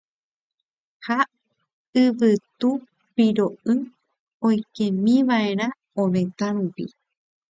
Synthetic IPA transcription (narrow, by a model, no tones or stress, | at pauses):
ha | ɨʋɨt̪u | piɾoɨ | õjkẽmĩʋae̞ɾ̃ã | õmẽ̞t̪aɾupḭ